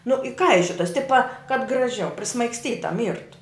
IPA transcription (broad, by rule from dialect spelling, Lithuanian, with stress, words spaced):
nʊ ɪˈkɐɪʃʲoːtɐs ˈtʲɪpɐ kɐt ɡrɐˈʒʲɛʊ pʲrʲɪsmɐɪksʲˈtʲiːtɐ ˈmʲiːrtʊ